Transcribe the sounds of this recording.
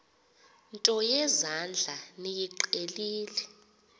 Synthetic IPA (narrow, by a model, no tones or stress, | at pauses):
ntʼɔjɛzand͡ɮʱanijiǃeliːlɛ